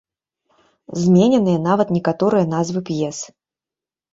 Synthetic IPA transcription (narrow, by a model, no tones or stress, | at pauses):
zmʲenʲɛnɨjɐnavɐt̪nʲɛkat̪ɔɾɨjɐn̪azvɨpjɛs